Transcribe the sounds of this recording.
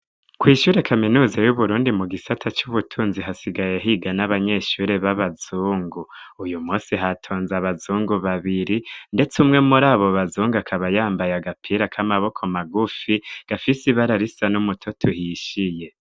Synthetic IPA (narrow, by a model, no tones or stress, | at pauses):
kwiːʃuːɾe̞kʰaminuːzajuβuɾuːndimuɡisatʰat͡ʃuβutʰuːnziɦasiɡajeɦiɡanaβaɲe̞ʃuɾe̞βaβazuːŋɡuːjumuːnsiɦatʰo̞ːnzaβazuːŋɡuβaβiɾinde̞t͡sumŋe̞muɾaːβo̞βazuːŋɡakʰaβajaːmbajaɡapʰiɾakʰamaβo̞kʰo̞maɡufiɡ̥afisiβaɾaɾisanumutʰotʰuhiʃije̞